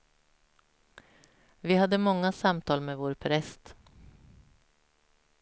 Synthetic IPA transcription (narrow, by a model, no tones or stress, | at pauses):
vɪhad̪ːəmɔŋːasamt̪ʰɑːlmɛːvoːɾpʰɾɛst̪